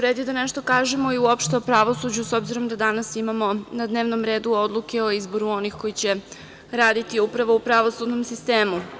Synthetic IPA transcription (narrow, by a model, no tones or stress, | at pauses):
uɾeːd̪id̪aneʃt̪o̞kaːʒemo̞iuo̞pʃt̪eopɾaʋo̞sud͡ʑuso̞bziɾo̞md̪ad̪anasimamo̞nad̪ne̞ːʋno̞mɾe̞ːd̪uo̞d̪lˠukeo̞izbo̞ɾuo̞nixko̞jit͡ɕe̞ | ɾaːd̪it̪iupɾaʋo̞upɾaʋo̞sud̪no̞msist̪eːmu